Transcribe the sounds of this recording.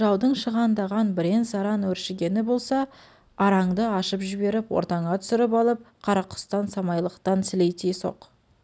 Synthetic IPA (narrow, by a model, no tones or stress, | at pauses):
ʒɑwd̪əɴʃəʁɑnd̪ɑʁɑnbɪɾe̞nsɑɾɑnwɵɾʃɪɡʲe̞nɪbo̞lˠsɑ | ɑɾɑɴd̪əɑʃəpʒɪbe̞ɾɪpwoɾt̪ɑɴɑt̪ʰʏ̥sɪɾɪpɑlˠəp̚qʰɑɾɑqʰːʊ̥st̪ɑnsɑmɑjlˠəqt̪ɑnsɪlejt̪eso̞̰q